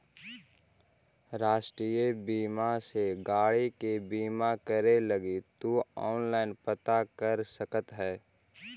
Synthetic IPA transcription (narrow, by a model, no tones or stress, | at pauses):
ɾaːʃʈɾiːjebiːmaseɡaːɽikebiːmakəɾeləɡit̪uɔːnlaːɪnpət̪akəɾsəkət̪ɦɛː